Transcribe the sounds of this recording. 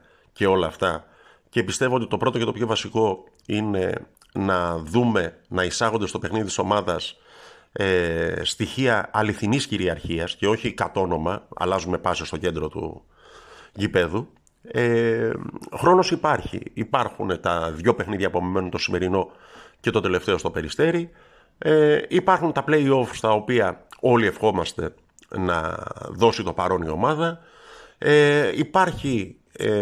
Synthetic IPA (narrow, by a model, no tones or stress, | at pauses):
ce̞o̞lɐːft̪ɐ | ce̞pist̪e̞voot̪it̪o̞pɾo̞t̪ocet̪o̞pço̞vɐsiko̞ | ine̞̰ | nɐðume̞nɐisɐɣo̞nd̪st̪o̞pe̞xniðit̪i̥so̞mɐðɐs | est̪içiɐɐliθinisciɾiɐɾçiɐsce̞o̞çikɐt̪o̞no̞mɐɐ̰lɐzume̞pɐsiost̪o̞ce̞nd̪ɾo̞t̪ṵ | ʝipe̞ðu | e | xɾo̞no̞sipɐɾçḭipɐɾxunet̪ɐðʝo̞pe̞xniðʝɐpuɐmime̞nunt̪o̞sime̞ɾino̞ | ce̞t̪o̞t̪e̞le̞ft̪e̞o̞st̪opeɾist̪e̞ɾi | eipɐɾxunt̪ɐple̞io̞fst̪ɐo̞piɐo̞lie̞fxo̞mɐst̪e̞̰ | nɐ̰ðo̞sit̪opɐɾo̞nio̞mɐðɐ | eipɐɾçi